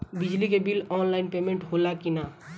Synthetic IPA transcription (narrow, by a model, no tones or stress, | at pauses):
bid͡ʒlikebilɔnlaɪnpemẽɳʈɦolakina